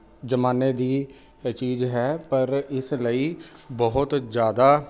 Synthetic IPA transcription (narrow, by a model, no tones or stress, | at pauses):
d͡ʒəmaːneːd̪iː | t͡ʃiːzɦɛːpəɾɪsləiːbɔɦʊt̪d͡ʒjaːd̪aː